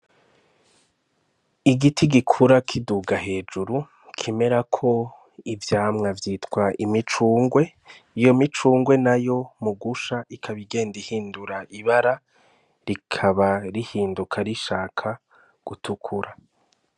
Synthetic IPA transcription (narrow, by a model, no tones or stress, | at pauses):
iɡitʰiɡikʰuɾakʰiduɡahe̞ːd͡ʒuɾu | kʰime̞ɾakʰo̞ | ivjaːmŋavjiːtkwaʔimit͡ʃuːŋɡwe̞ | ijo̞mit͡ʃuːŋɡwe̞najo̞muɡuʃaikʰaβiɡe̞ːndihiːnduɾaiβaɾa | ɾikʰaβaɾihiːndukʰaɾiʃaːkʰa | ɡ̥utʰukʰuɾa